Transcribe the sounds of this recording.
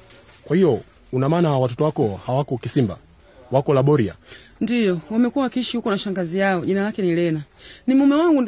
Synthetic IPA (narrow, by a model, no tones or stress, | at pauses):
kwahijɔ | unamaːnawatɔtɔwakɔhawakɔkisimba̰ | wakɔlaɓɔɾia̰ | ndijɔwamɛkuwakiʃiukɔnaʃaŋɡazijaɔʄinalakɛnilɛna | nimumɛwaŋɡu